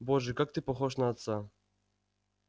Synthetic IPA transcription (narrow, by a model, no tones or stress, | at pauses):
bɔʐɛkak̚t̪ɨpɔxɔʂnaːt̪sa